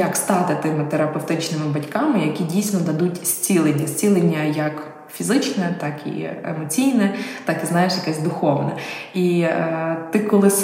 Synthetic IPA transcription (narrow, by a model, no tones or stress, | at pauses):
jɐkst̪ɑt̪ɪt̪ɪmɪt̪eɾɐpeft̪ɪt͡ʃnɪmɪbɐtʲkɑmɪjɐkʲidʲijsʲnɔd̪ɐd̪utʲsʲt͡sʲilˠenʲːɐsʲt͡sʲilˠenʲːɐjɐk | fʲizɪt͡ʃnɛt̪ɑkḭɛ̰mɔt͡sʲijnɛt̪ɑkiznɑjeʃjɐkɛsʲd̪ʊxɔʋnɛi | t̪ɪkɔlˠɪs